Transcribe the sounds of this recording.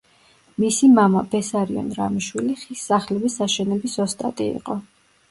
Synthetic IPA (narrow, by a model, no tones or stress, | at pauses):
misimamab̥ɛsaɾiɔ̰nɾa̰miʃwiliχisːaχlɛbisaʃɛnɛbisɔst̪ʼat̪ʼiḭqʼɔ